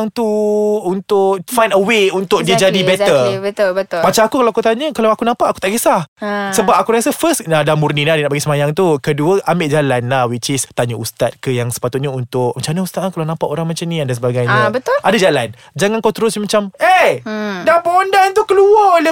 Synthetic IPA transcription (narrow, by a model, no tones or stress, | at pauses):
ŋt̪uunt̪ʊʔkfajndəweunt̪ʊk̚diəd͡ʒadibɛtəbət̪ʊlbət̪ʊmat͡ʃamakukalawakut̪aɲəkalawakunãmpaʔaku̥t̪aʔɡəsasəbap̚akuɾasafəsadamurninadiənaʔpaɡisəmajaŋt̪ukəduəʔambeʔd͡ʒalanlahwit͡ʃɪst̪aɲəust̪at̪̚kəjaŋsə̥pat̪ʊt̪̚ɲəunt̪ʊk̚mat͡ʃamnaust̪at̪̚lakalawnãmpaʔoɾaŋmat͡ʃamnĩadans̬əbaɡajɲəbət̪ʊʔadad͡ʒalan | d͡ʒaŋankawt̪əɾʊsɲamat͡ʃamedapəŋondant̪ukəluaole